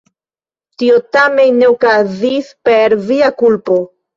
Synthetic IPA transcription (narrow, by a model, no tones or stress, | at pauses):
tiotame̞nnːeokazispeɾviakulpo̞